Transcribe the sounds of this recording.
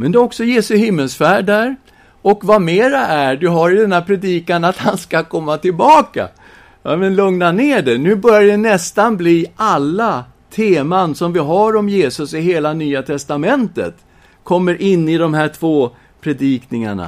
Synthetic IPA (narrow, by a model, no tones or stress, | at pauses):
mɛnd̪ɛɔksɔjeːsɵhɪmːəlsfæːɖːæɾ | ɔkvameːɾaʔæɖ̪ɵɦaɾɪd̪ɛnæpʰɾɛd̪iːkanat̪hanskakʰɔmːat̪ʰɪlbɑːka̰ | amɛnlɵŋnaneːɖɛnʉ̟ːbœɾjadɛnɛst̪anbliːʔalːa | t̪ʰeːmansɔmvɪɦaɾɔmjeːsɵsɪɦeːlanyːat̪ʰɛst̪amɛnt̪ə̰t̪ | kʰɔmːəɾʔɪnːɪd̪ɔmhæːʈʰv̥oː | pʰɾɛd̪iːknɪŋa̰ɳa̰